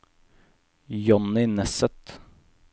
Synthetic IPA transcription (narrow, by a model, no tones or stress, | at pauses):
jɔnːɪnɛsət̪